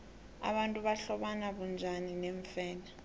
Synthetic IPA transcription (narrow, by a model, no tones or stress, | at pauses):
a̰ɓantʼuɓaɬɔɓanaɓund͡ʒʱanineɱfɛːla